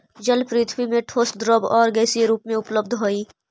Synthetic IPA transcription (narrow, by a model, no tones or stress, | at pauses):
d͡ʒəlpɾiːt̪ʰwimẽʈʰoːsd̪ɾəbɔːɾɡɛːsieɾuːpmẽʊpləbd̪ʱɦoːiː